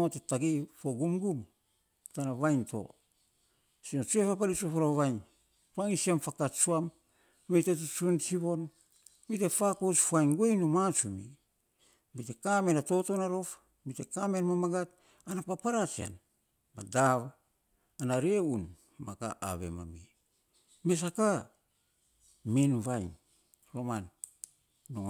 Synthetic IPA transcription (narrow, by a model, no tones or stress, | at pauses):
otetaɡifoɡumɡum | tanaβajnto̞̰ | sinot͡ʃuepapalit͡ʃuafoɾaβajn | paŋisiamfakat͡ʃuam | mejtet̬ut͡ʃunt͡ʃiβo̞n | bitefakot͡ʃfuajnɡuejnumat͡ʃumḭ | bitekamenato̞tonaɾo̞f | bitekamenmamaɡat̚ | anapapaɾat͡ʃia̰n | badaβː | naɾeun | maka̰ʔa̰βḛma̰mi | me̞s̬aka | menvajn | soman | noŋ